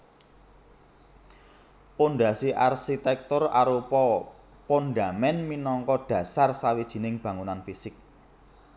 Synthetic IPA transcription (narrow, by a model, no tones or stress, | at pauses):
ponɖasiʔarʃit̪ɛk̚t̪ʊra̰ɾupɔ | ponɖa̤mɛnminɔŋkɔd̥ä̤sarsawid̥ʒ̥i̤nɪŋb̥a̤ŋunanfisɪk̚